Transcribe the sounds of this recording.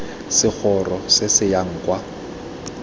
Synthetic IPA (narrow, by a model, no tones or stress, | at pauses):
sɪk͡xʰɔrɔsɪsɪjaŋ̩kʼwa